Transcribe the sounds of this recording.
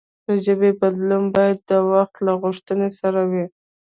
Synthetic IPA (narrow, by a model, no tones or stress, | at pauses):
d̪əʒəbebad̪lumbɑjad̪ːəwaxt̪laɣʊʂt̪ənesaɾawi